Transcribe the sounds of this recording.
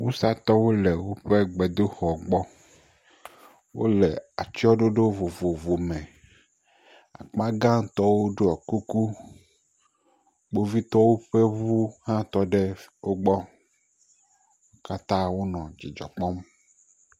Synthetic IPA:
wu˦sa˦t̪ɔ˦wo˦lɛ˨wo˦ɸe˦ɡ͡bɛ˨d̪o˦xɔ˨ɡ͡bɔ˦ | wo̰˦lɛ˨a̰˨t͡ʃi˦ɔ˦ɖo˦ɖo˦vo˨vo˨vo˨mɛ̃˨ | a̰˨k͡pa˦ɡã˦t̪ɔ˦wo˦ɖo˦a˨ku˦ku˦ | ɡ͡bo˦vi˦t̪ɔ˦wo˦ɸɛ˦vu˦hã˦t̪ɔ˦ɖɛ˦wo˦ɡ͡bɔ˦ | ka˦t̪ã˦wo˦nɔ̃˨d͡ʑi˨d͡ʒɔ̰˨k͡pɔ˦m

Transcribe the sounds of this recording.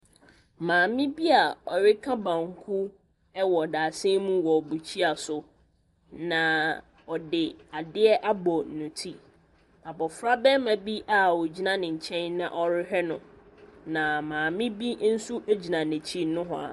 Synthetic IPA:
mãː˨mɪ̃˦bi˦a˨ɔ˨ɥɪ˦kʰa˦bã˨ŋ˦kʰu˦ | ɛ˦wɔ˨daː˨sɪ˦mũ˦wɔ˨bu˨t͡ɕʰi˦a˨sʊ˨ | nã˨ | ɔ˨dɪ˨a˨dɪ˦ɛ˦ʔa˦bɔ˨n̩˨nʊ̃˨tʰi˦ | a˨bɔ˨fɾa˦bɛ˦mã˨bi˦ʔa˨wɔ˨d͡ʑi˦nã˦nɪ̃˨ɲ̩˨t͡ɕʰɛ̃˦nːã̰˦˨ʔɔ˦ɾɪ˦ɦɛ˦nʊ̃˨ | nã˨mãː˨mɪ̃˦bi˦n̩˦su˦ʔe˦d͡ʑi˨nã˨nɛ̃˨t͡ɕʰi˦nʊ̃˦ɦʊ̰̃˦a̰˨

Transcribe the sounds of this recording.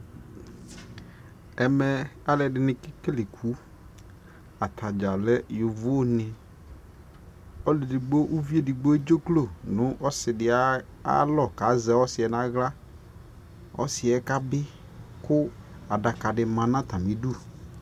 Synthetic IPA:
ɛ˨mɛ˨a˨lɛ˨dɪ˨nɪ̃˨kɪ˦kɪ˦lɪ˨kʰu˨˦ | a˨t̪ʰa˨d͡ʒa˨lɛ˦jʊ˨vʊ˦nɪ˨ | ɔ˦lɪ˨dɪ˨ɡ͡bo˦ʔu˦vi˦e˦dɪ˨ɡ͡bo˦e˦d͡ʒo˦klo˦˨nʊ̃˦ʔɔ˦sɪ˨dɪ˨a˦ | a̰˦lɔ˦˨ka˨˦zɛ˨ɔ˦sɪ˨ɛ˨nã˦ɣla˦ | ɔ̰˦sɪ˨ɛ˦ka˦bɪ˦ | kʊ˦a˨da˨ka˨dɪ˨mã˨nã˦t̪a˨mĩ˨˦du˦˨

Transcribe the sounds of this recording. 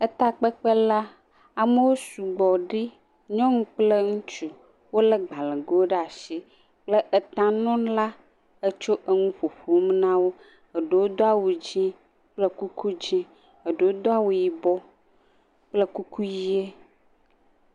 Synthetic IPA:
ə˦t̪a˨k͡pə˦k͡pə˦la˦ | a˨mə˦wo˦su˨ɡ͡bɔ˨ɖi˦ | ɲɔ̃˦ŋũ˦k͡plə˦ŋũ˦t͡ʃu˨ | wo˦lə˦ɡ͡ba˨le˨ɡo˦wo˦ɖe˦a˨ʃi˦ | k͡plə˦ʔə˨t̪ã˦nɔ̃˦la˦ | ə˦t͡ʃo˦ʔə˦ŋũ˦ɸo˨ɸo˨wo˦m˦nã˦wo˦ | ə˨ɖe˨wo˦d̪ɔ˦a˦wu˨d͡ʑĩ˦ | k͡plə˦ku˦ku˦d͡ʑĩ˦ | ə˨ɖe˨wo˦d̪ɔ˦a˦wu˨ji˨bɔ˦ | k͡plə˦ku˦ku˦ji˦e˦

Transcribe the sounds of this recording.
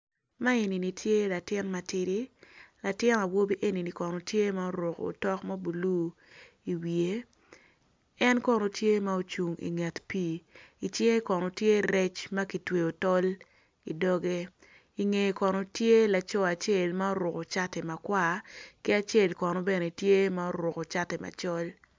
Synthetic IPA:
ma˦e˨ni˨ni˨tʰje˦la˨tɪ˦nma˨ti˦di˦la˨tɪ˦na˨wo˦bi˦ʔe˦ni˨ni˨kɔ˨no˨tje˦ma˦o˦ɾʊ˨ko̰˨tɔ˦kma˦bu˨lu˦ | i˨wie˦ | ɛ˦nkɔ˦no˨tje˦ma˦o˦t͡ʃu˨ŋḭ˨ŋɛ˨tpi˦i˨t͡ʃɪ˦ŋe˦kɔ˨no˨tje˦ɾɛ˦t͡ʃma˦ki˨twe˨o˨tɔ˦l | i˨dɔ˦ɡe˦ | i˨ŋe˨kɔ˨no˨tje˦la˨t͡ʃɔ˦a˨t͡ʃe˦˨lma˦o˦ɾʊ˨ko˨t͡ʃa˦tɛ˨ma˨kwa˦˨kɪ˦a˨t͡ʃe˦˨lkɔ˨no˨bɛ˦ne˨tje˦ma˦o˦ɾʊ˨ko˨t͡ʃa˦tɛ˨ma̰˨t͡ʃɔ˦l

